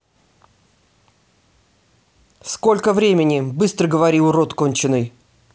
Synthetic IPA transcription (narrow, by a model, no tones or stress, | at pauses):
sko̞lʲkəvɾʲemʲɪnʲɪbɨst̪ɾəɡəvɐɾʲiʊɾot̪konʲt͡ɕɪnːɨj